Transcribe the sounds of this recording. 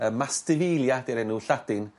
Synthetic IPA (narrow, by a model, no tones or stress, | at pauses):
əmastɪvɪlˠjadeɾɛnuɬad̥ɪn